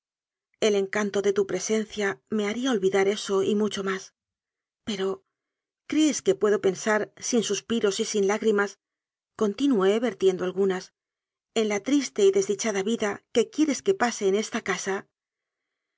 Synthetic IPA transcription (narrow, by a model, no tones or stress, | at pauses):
e̞le̞ŋkant̪o̞ðe̞t̪upɾe̞se̞nθjame̞aɾiaolβiðaɾe̞so̞imut͡ʃo̞mas | pe̞ɾo̞ | kɾe̞ːske̞pwe̞ðo̞pe̞nsaɾsinsuspiɾo̞sisinlaɣɾimas | ko̞nt̪inue̞βe̞ɾt̪je̞nd̪oalɣunas | e̞nlat̪ɾist̪e̞iðe̞zðit͡ʃaðaβiðake̞kje̞ɾe̞ske̞pase̞ːne̞st̪akasa